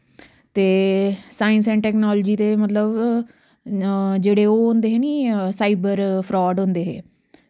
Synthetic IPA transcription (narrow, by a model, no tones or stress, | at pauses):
t̪eːsaːɪns̬ɛ̃ːɳʈɛːknɔːlːd͡ʒiːt̪eːmət̪ləb | d͡ʒeːɽeːoːɦʊnd̪eːɦeːniːsaːibəɾpʰɾɔːɖɦʊ̃nd̪eːɦḛː